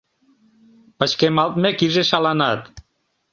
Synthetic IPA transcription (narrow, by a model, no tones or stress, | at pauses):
pət͡ɕkemɑlt̪̚mekiʒeʃɑlɑnɑt̪